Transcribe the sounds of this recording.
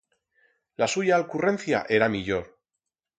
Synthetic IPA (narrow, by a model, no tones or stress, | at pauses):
lasuʝaːlkurẽ̞n̟θja̰ʔe̞ɾamiʎo̞ɾ